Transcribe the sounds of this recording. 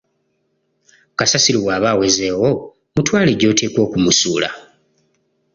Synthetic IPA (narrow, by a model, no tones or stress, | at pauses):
kasasiɾiwaːβawezeːwo̞ | mutwaːleɟo̞ːte̞ːkwo̞ːkumusuːla̰